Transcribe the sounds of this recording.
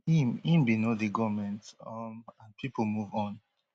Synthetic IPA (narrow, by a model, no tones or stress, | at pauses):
himĩmbinodiɡɔvmɛ̃ntɔmãnpʰipl̩muvɔ̃n